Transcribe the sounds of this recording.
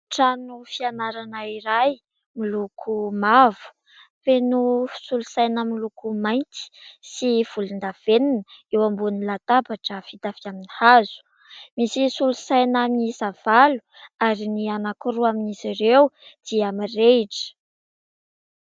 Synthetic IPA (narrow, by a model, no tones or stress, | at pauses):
ʈ͡ʂanufianaɾanaiɾaj | milukʰumavu̥ | penusulusajnəmilukumajnt̪i̥siv̥ulind̪av̥eninəewambunilat̪apaʈ͡ʂəfit̪afiaminihazu̥ | misisulusajnamizav̥alu̥ | aɾinianakuɾuaminiziɾewd̪̥iamireʈ͡ʂə̥